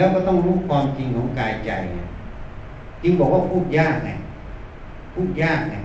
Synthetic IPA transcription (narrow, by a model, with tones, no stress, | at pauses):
lɛ˦˥wkɔː˥˩t̪ɔ˥˩ŋɾuː˦˥˩kʰwaː˧mt͡ɕi˧ŋkʰɔː˨˦ŋkaː˧jt͡ɕa˧jna̰˧˩ | t͡ɕi˧ŋbɔː˨˩k̚wa˥˩pʰuː˥˩t̪̚jaː˥˩k̚na̰˧˩j | pʰuː˥˩t̪̚jaː˥˩k̚na˧˩